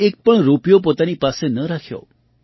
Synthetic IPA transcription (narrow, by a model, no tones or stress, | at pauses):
ek̚pəɳɾupijopot̪anipasenəɾakʰjo̰